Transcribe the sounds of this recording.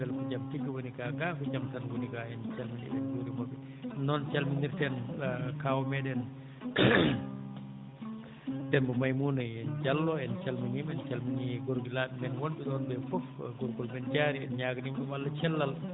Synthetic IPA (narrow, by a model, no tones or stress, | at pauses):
ɛlkɔd͡ʒamtiɡawonikaɡafɔd͡ʒamtanwunikaɛnt͡ʃalminḭɗɛnɡoɾimɔbɛ | nɔnt͡ʃalminiɾtɛnkawɔmɛɗɛn | dɛnbɔmajmunajɛnd͡ʒalːɔɛnt͡ʃalminimɛnt͡ʃalminiɡɔɾɡilaɗinɛnwonbiɗɔnbɛfɔfɡɔɾɡɔlmɛnd͡ʒaːɾiɛnɲaːɡanimɗumalːat͡ʃɛlːal